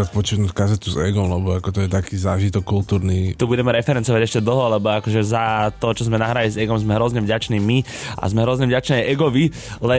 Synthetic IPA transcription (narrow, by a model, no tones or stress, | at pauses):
ɾat̪pɔt͡ʃitnuːckazɛt̪uzɛɡɔmlɛbɔakɔt̪ɔjɛt̪akiːzaːʒit̪ɔkːult̪uːɾnit̪ɔbuɟɛmɛɾɛfɛɾɛnt͡sɔʋaɟɛʃcɛd̪l̩ˠɦɔlɛbɔakɔʒɛzat̪ɔt͡ʃɔzmɛnaɦɾalizɛɡɔmzmɛɦɾɔzɲɛvɟat͡ʃniːmi | ʔa̰zmɛɦɾɔzɲɛvɟat͡ʃnɛːaʔɛɡɔʋi | lɛ